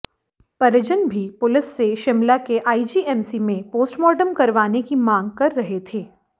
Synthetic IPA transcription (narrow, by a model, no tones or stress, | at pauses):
pɐɾəd͡ʒənbʱipʊlɪsːeʃɪmlakeʔaːid͡ʒiːɛːmsimẽpoːsʈmɔːɖəmkɐɾʋaːnekimãːŋɡ̚kɐɾːɐɦet̪ʰeː